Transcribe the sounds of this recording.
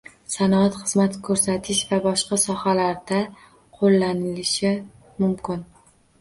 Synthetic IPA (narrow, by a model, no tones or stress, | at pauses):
sanɒat̪χɨzmat̪kʰɵɾsat̪ʰɪʃvabɒʃqɑsɒhalaɾd̪a | qʰolˠːanɪlɪʃɪ | mʊmkʲɪn